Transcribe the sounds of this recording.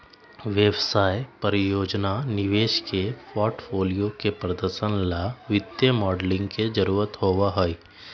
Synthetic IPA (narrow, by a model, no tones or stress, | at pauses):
ʋeʋsaːepəɾɪjoːd͡ʒnanɪʋeːʃkepɔːɾʈfʰoːlijokepɾəd̪əɾʃənlaʋɪd̪jəmɔːɖlɪ̃ŋɡked͡ʒəɾuːɾət̪ɦoːʋaɦoiː